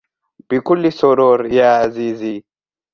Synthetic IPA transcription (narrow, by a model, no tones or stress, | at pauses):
b̥ikulːisɔɾoɾjaːzizi